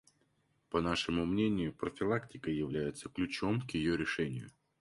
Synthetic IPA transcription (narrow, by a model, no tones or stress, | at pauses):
pɐnaʂɨmʊmnʲenʲɪjʊpɾəfʲɪlˠaktʲɪkəjɪvlʲæjɪt̪səklʲʉt͡ɕo̞mkjɪjoɾʲɪʂɛnʲɪ̰jʊ̰